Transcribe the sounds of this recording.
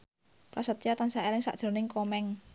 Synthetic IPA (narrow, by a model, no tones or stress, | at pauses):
plasət̪jat̪ansaelɪŋsa̰ʔd̥ʒ̥ə̤nɪŋkomɛŋ